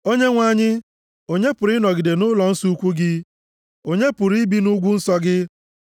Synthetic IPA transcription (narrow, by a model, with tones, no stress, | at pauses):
o˦ɲe˦ŋʷa˦˨ɲɪ˦ | o˨ɲe˦pʊ˨ɾɪ˦nɔ˨ɡɪ˨de˨nʊ˦lɔ˨n̩˦su˦kʷu˦ɡɪ˦ | o˨ɲe˦pʊ˨ɾi˦bi˦nu˦ɡʷu˦n̩˦sɔ˦ɡɪ˦